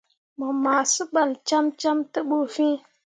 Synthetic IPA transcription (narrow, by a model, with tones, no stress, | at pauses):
mə˨ma˨sə˦ɓa˨lt͡ʃa˦mt͡ʃa˦mtə˦ɓo˨fĩ˦